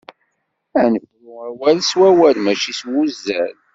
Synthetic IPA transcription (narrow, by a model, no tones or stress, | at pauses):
ænəfmæwælswæwælmæʃiswuzːæ̰l